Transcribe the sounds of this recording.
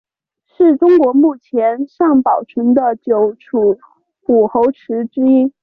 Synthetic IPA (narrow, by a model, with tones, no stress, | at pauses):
ʂɻ̩˥˩ʈ͡ʂʊ˥ŋkwɔ˧˥mu˥˩t͡ɕʰjɛ˧˥nʂɑ˥˩ŋpɑ˨˩ʊʈ͡ʂʰə˧˥nd̪ə˨t͡ɕjo˨˧˩ʊʈ͡ʂʰu˨˩ | pu˨˩xo˧˥ʊʈ͡ʂʰɻ̩˧˥ʈ͡ʂɻ̩˥i˥